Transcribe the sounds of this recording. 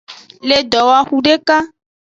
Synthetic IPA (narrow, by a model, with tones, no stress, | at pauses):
le˨d̪ɔ˨wa˨xu˦ɖe˦ka˦